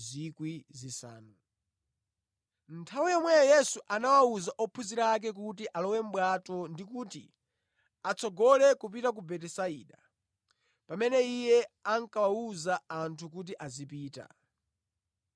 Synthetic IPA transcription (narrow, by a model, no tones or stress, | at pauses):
zikwizisa̰ːnu | ntʰawijɔmwɛjɔjɛsuʔanawauzaʔɔpʰuziɾak̬ɛk̬utiʔalɔwɛm̩ɓwatɔndikuːtḭ | at͡sɔɡɔlɛkup̬itak̬ubɛtɛsaiːɗa | pamɛnɛijɛaŋkawauzaantʰukut̬iʔazipiːta̰